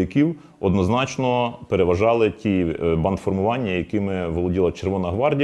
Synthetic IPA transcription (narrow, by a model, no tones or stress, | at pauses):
ɐkʲiw | ɔd̪nɔznɑt͡ʃnɔpeɾeʋɐʒɑlˠɪtʲibɑnt̪fɔrmʊʋɑnʲːɐjɐkɪmɪʋɔlˠɔdʲilˠɐt͡ʃerʋɔnɐɦʋɑrdʲ